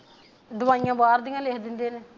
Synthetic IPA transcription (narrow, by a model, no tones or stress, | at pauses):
d̪ʊʋaːijãːbaːɾd̪ɪjãːleːkʰd̪ɪnd̪eːne